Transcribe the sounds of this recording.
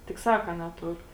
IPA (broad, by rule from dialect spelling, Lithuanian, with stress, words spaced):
tʲɪk ˈsɑːkɐ nʲɛˈtʊr